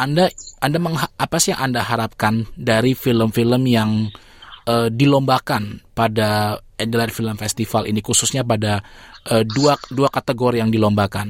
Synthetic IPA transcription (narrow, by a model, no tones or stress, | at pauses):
ʔandaandaməŋɦaʔapasiaʔandaɦaɾap̚kandaɾifiləmfiləmjaŋ | ʔədilombakanpada | ɛndladfiləmfɛst̪ifalʔḭnikususɲap̬adaʔəduaduakat̪əɡoɾijaŋdilombakan